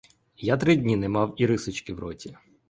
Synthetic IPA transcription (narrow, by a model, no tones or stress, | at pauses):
jat̪ɾɪdʲnʲinɛmɑwiɾɪsɪt͡ʃkɪwɾɔ̰tʲi